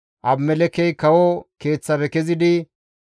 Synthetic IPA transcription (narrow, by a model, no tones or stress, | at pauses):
ʔɐbmɛlɛkɛjkɐwɔke̞ːt͡sːɐbɛkɛzɪd̪ɪ